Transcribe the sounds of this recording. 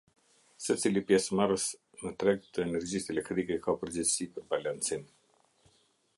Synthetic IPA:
sət͡silipjɛsmaɾəs | nət̪ɾɛɡ̚t̪ʰəɛnɛɾd͡ʑist̪ɛlɛkt̪ɾikɛkapəɾd͡ʑɛsipəɾbalant͡sim

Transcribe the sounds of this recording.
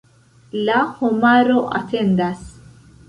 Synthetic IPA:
lahomaɾo̞ʔate̞ndas

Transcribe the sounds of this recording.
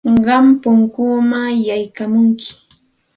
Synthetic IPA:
ɢɑmpʊŋkumajajkamʊŋkɪ̥

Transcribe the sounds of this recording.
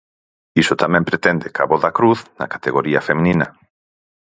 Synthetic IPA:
isot̪amɛ̃mpɾet̪end̪ekaβoðakɾuθna̰kḁt̪eɣoɾiafemĩnĩnɐ

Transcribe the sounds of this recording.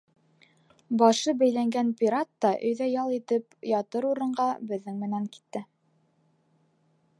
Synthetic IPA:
bɑʃɤbæjlæŋɡænpʲiɾat̪ːɑʔɵ̰̆jðæjɑlˠit̪ɘpjɑt̪ɤɾuɾɤ̆ɴɢɑbɘ̆ðːɘŋmɘ̆næŋki̥t̪ːɘ

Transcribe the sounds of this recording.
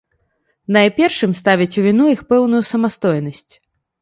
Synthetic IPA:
nɐjpʲɛrʂɨmst̪avʲit͡sʲuvʲinujixpɛwnujusɐmast̪ɔjnɐsʲt͡sʲ

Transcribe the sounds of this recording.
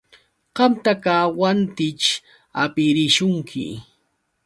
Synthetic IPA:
qɑmt̪akaːwant̪ɪt͡ʃ | apɪɾɪʃʊŋkʰɪ̰

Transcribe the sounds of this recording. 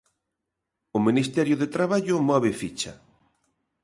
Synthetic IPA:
ʊmĩnist̪ɛɾjʊðet̪ɾaβaʎʊmɔβ̞efit͡ʃɐ

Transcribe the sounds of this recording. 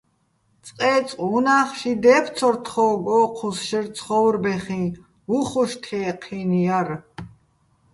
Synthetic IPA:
t͡sʼqʼɛːt͡sʼqʼunaːχʃid̪ɛːpʰt͡sʰɔɾt̪ʰχɔːɡɔːqʰusʃəɾt͡sʰχɔwɾbɛχĩ | uχuʃt̪ʰɛːqʰinjar

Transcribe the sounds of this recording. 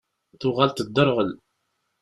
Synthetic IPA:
θʊʁalt̪əd̪ːəɾʁəl

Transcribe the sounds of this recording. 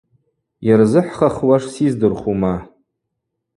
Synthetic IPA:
jarzɨħχaχwaʂsizdɨrχuma

